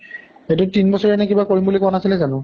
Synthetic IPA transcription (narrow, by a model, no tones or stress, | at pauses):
etʊtinbɔsɔɹɛɛnɛkibakoɹimbulikɔnasilɛzanʊ